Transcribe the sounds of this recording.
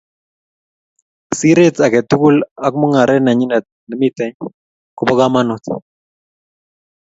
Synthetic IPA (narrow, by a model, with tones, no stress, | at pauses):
si˦ɾe˦t̪a˨kɛ˨tu˦ku˦la˦kmɔ˦ŋa˨ɾʔɛ˦na˨ɲi˦nɛ˨t̪̚nɛ˨mi˦t̪ɛ˨ɲ | ko˨pɔ˦ɡa˦ma˦nɔ˨t̪